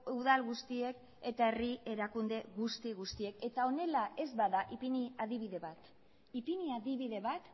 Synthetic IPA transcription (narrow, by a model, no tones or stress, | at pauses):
uðalɣust̪ie̞k | e̞t̪ae̞rieɾakund̪e̞ɣust̪iɣ̞ust̪ie̞ke̞t̪ao̞ne̞lae̞zbaðaʔipiniaðiβiðe̞βat̪ | ipiniaðiβiðe̞βat̪